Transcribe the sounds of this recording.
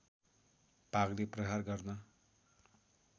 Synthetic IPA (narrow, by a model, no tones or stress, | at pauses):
paɡleprʌɦarɡʌrnʌ